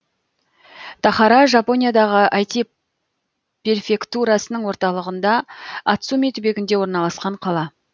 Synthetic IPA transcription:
t̪ʰɑχɑɾɑʒapo̞nijad̪ɑʁəʔɑjt̪i | pʲe̞rfʲe̞kt̪uɾɑsənəɴwo̞ɾt̪ɑlˠəʁənd̪ɑːt̪sumet̪ʏbe̞ɡʲɪnd̪e̞wo̞ɾnɑlˠɑsqɑɴqʰɑlˠɑ

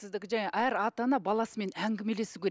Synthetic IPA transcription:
ɪzd̪ɪkʲɪʒæŋeʔæɾɑt̪ɑnɑbɑlˠɑsəme̞næŋɡʲɪme̞le̞sɪkʲʰe

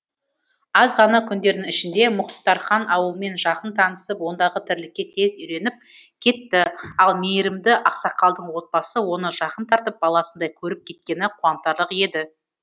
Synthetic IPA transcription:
ɑzʁɑnɑkʲʰʏnd̪e̞ɾd̪ɪŋɪʃɪnd̪e̞mʊχt̪ːɑɾχɑnɑwəlˠme̞nʒɑqənt̪ʰɑnəsəpwo̞nd̪ɑʁət̪ʰɪɾlɪkʲːe̞t̪ʰe̞zʏjɾe̞nɪp̚kʲʰe̞t̪ːɪɑlˠmejɾɪmd̪ɪʔɑqsɑqːɑlˠd̪əɴwo̞t̪̚b̥ɑsəwo̞nəʒɑqənt̪ʰɑɾt̪əp̚bɑlˠɑsənd̪ɑjkʲʰɵɾɪp̚kʲʰe̞t̪̚kʲe̞nɪqʰuɑmt̪ɑɾlˠəqje̞d̪ɪ

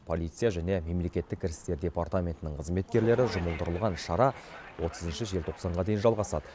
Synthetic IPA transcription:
pʰo̞lˠijt̪sɨjaʒæne̞me̞mle̞kʲe̞t̪ːɪkʲʰːɪɾʲɪst̪e̞ɾd̪ʲe̞part̪amʲe̞nt̪ɪnɪɴqʰəzme̞t̪̚kʲe̞ɾle̞ɾɪʒʊməlˠd̪əɾəlˠʁɑnʃɑɾɑwo̞t̪əzənʃɪʒe̞lʲt̪ʰoqsɑɴʁɑd̪e̞jɪnʒɑlˠʁɑsɑ̰d̪ə

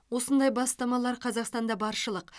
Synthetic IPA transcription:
wo̞sənd̪ɑjbɑst̪ɑmɑlˠɑɾqʰɑzɑqst̪ɑnd̪ɑbɑɾʃəlˠəq

